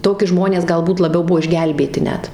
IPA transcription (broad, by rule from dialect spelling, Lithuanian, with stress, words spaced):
ˈtoːkʲɪ ˈʒmoːnʲeːs ɡɐlˠˈbuːt lˠɐˈbʲɛʊ ˈbuɔ ɪʒʲˈɡʲɛlʲbʲeːtʲɪ ˈnʲɛt